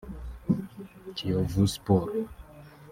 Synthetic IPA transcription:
kʰiovuspoɾ

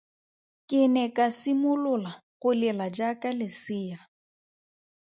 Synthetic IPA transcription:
kʼɪnɛkʼasimʊlʊlaɣʊlɪlad͡ʒakʼalɪsɪːja

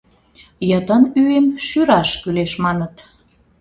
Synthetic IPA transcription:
jət̪ənyemʃyɾɑʃkyleʃmɑnət̪

